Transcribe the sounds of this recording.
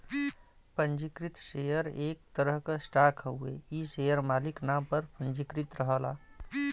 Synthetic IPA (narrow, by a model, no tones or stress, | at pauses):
pə̃nd͡ʒikɾit̪ʃejəɾeːk̚t̪əɾəɦkasʈaːkʰəuḛisejəɾmaːliknaːmpəɾpə̃nd͡ʒikɾɪt̪ɾəɦəla̰ː